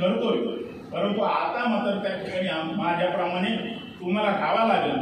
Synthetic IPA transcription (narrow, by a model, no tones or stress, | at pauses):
əɾuoju | pəɾənt̪uat̪amat̪əɾt̪akukaniamad̪ʱjapɾəmaɽ̃e | t̪umaɾakʰaʋalaɡe